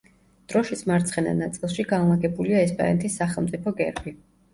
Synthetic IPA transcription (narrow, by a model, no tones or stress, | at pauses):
d̪̥ɾɔʃit̪sʰmaɾt̪sʰχɛna̰nat̪sʼilˠʃiɡanlˠaɡɛbuliaɛspʼa̰nɛ̰t̪ʰisːaχɛlˠmt̪ʼipʰɔɡɛ̰ɾbi